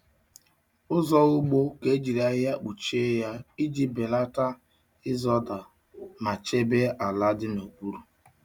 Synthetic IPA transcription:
ʊ˦zɔ˦ʊ˦ɡ͡bo˦ke˦d͡ʒi˨ɾa˨ɣɪ˦ja˦k͡pu˨t͡ʃe˦ja˦i˦d͡ʒi˦be˨la˦ta˦ | ɪ˦zɔ˦da˨ | ma˨t͡ʃe˦be˦ʔa˨la˦dɪ˦no˨ɡ͡bu˦ɾu˨

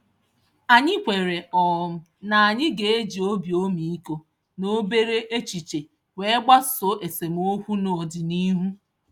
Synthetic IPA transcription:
a˨ɲɪ˦kʷe˨ɾe˨ʔɔ˨m̩˦ | na˨a˨ɲɪ˦ɡe˨e˦d͡ʒi˨o˦bjo˦mi˨i˦ko˦ | no˦be˦ɾe˦ʔe˦t͡ʃi˨t͡ʃe˨ | we˦ɡ͡ba˦so˨˦ʔe˨se˨m̩˦o˦kʷu˦no˨dɪ˨ni˦ɦu˦

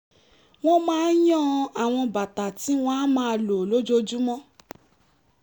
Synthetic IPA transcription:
w̃ɔ̃˦mãː˦n˦jɔ̃˦a˨w̃ɔ̃˧ba˨ta˨ti˨˦w̃ɔ̃˦a˦mãː˧lo˨lo˦d͡ʒo˦d͡ʒu˦mɔ̃˦

